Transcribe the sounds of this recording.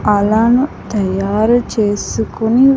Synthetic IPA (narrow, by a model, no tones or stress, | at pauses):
ɐlaːnut̪ɐjaːɾut͡ʃeːsukuni